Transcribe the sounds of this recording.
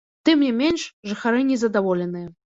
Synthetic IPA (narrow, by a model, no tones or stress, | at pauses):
t̪ɨmnʲɛmʲenʲʂʐɨxaɾɨnʲɛzɐd̪avɔlʲɛnɨjɛ